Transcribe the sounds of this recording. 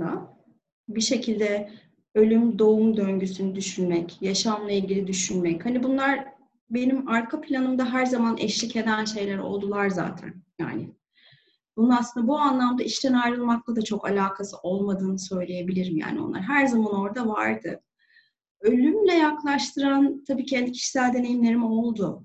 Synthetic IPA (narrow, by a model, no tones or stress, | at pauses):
a̰ | biʃe̞cʰilʲd̪ɛ | ø̞lʲymd̪o̞umd̪øɲɟysynyd̪yʃynmɛcjaʃamlˠailʲɟilʲid̪yʃynmɛchanibunlˠaɾ | be̞nimaɾkʰapʰlʲanɯmd̪aɦæɾzamanʔɛ̰ʃlʲicʰe̞d̪ænʃe̞jlʲæɾo̞̰lˠd̪ulˠaɾza̰ːt̪ʰæ̰nja̰ːnɪ | b̥unaasɯnd̪abuanlˠamd̪aiʃt̪ʰænajɾɯlˠmak̚lˠad̪at͡ʃʰo̞kalʲaːkʰasɯʔo̞lˠmad̪ɯːnɯsø̞jlʲe̞je̞bilʲiɾimja̰ːnio̞̰nˠa̰ɾɦæɾzamano̞ɾd̪ava̰ɾd̪ɯ̰ | ø̞lʲymlʲɛjaklˠaʃt̪ʰɯɾant̪ʰabiːcʰɛnd̪icʰi̥ʃi̥sælʲd̪e̞ne̞jimlʲe̞ɾimo̞lˠd̪u